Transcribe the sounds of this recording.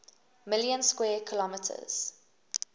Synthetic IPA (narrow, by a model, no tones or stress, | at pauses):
mɪljə̃nskwɛːkʰəlɔmɪtʰə̰z̥